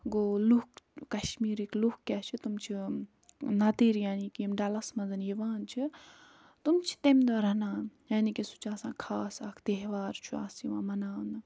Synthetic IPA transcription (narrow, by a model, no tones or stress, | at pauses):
ɡolukkɐʃmiːɾiklukkːʲat͡ʃʰit̪umt͡ʃʰi | nɐt̪eːɾjaːnikemɖɐlɐsmɐnzɐniʋaːnt͡ʃʰi | t̪umt͡ʃʰi̥t̪emd̪oɾɐnãːjaːnikesu̥t͡ʃaːsãːkʰaːsakʰt̪eɦʋaːɾt͡ʃʰuaːsiʋãːmɐnaːnɨ